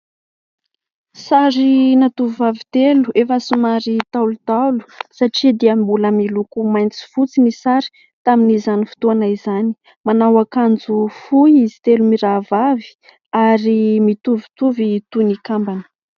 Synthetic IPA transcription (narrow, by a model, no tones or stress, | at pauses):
saɾinat̪uvivavit̪eluefəsimaɾit̪alut̪alu̥saʈ͡ʂid̪iambuləmilukumajnt͡si̥fut͡sinisaɾi̥ | t̪aminizanifu̥t̪uanaizani̥ | manawakand͡zufujizi̥t̪elumiɾavavi̥ | aɾimit̪uvi̥t̪uvit̪unikambanə̥